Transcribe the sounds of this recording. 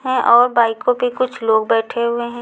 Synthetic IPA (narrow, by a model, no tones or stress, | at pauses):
ɦɛ̃ʔɔːɾbaːikõbʱikʊt͡ʃʰloːɡ̚bɛːʈʰeɦʊeɦɛ̃ː